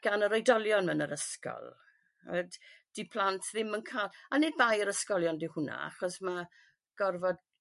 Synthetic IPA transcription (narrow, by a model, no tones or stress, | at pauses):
ɡ̥anəɾɔjdɔlˠjɔnmənəɾəskɔ̰lˠ | ədd̥ipʰl̥ˠantʰðɪmənkʰaːlˠanɪd̚bajəɾəskɔlˠjɔndɪwhʊna̰a̰χɔsma | ɡ̥ɔrvɔd̚